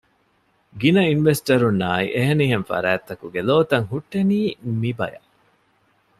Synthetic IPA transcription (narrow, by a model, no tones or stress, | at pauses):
ɡinɐinʋesʈɐɾunːaːḭʔeɦeniːɦenfɐ̰ɾæːt̪ːɐkuɡeloːt̪ɐŋɦuʈːeniːmibɐ̰jɐ̰